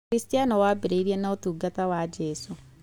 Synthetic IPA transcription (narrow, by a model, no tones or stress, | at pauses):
ɾistijanɔwaːbeɾeiɾiɛnaotuːɡatawad͡ʒɛsu